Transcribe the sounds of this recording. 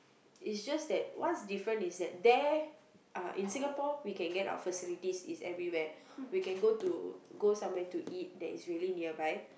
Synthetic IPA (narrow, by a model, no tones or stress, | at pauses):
itsd͡ʒasdɛt̚wansdifɹə̃nisdɛt̚dɛ | ʔãʔĩnsĩŋɡapɔwikɛ̃nɡɛta̰wə̰fəsilitisisɛ̰vɹiwɛ | wikɛ̃nɡotuɡosãmwɛtuʔit̚dɛ̰tisɹiəliniəbaj